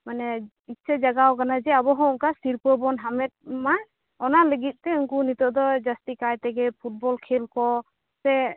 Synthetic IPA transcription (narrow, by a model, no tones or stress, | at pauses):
manɛ | it͡ʃad͡ʒaɡawkanad͡ʒɛabɔɦɔ̃ɔŋkasiɾpəbɔnɦamɛt̪̚ma | ɔnaləɡit̪̚ˀt̪ɛuŋkunit̪ɔʔd̪ɔd͡ʒast̪ikajt̪ɛɡɛpʰut̚bɔlkʰelkɔ | sɛ